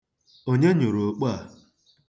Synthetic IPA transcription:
o˦ɲe˦ɲʊ˨ɾo˨k͡pa˦a˨

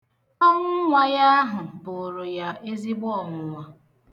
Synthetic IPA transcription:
ɔ˦ŋʊ˦ŋʷa˨ja˦ɦʊ˨bʊ˨o˨ɾʊ˨ja˨ʔe˦zi˦ɡ͡bɔ˦ɔ˨mʊ˨ŋa˨

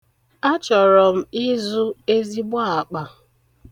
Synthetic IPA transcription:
a˦t͡ʃɔ˨ɾɔ˨m̩˦i˦zu˦e˦zi˦bʷa˦a˨k͡pa˨

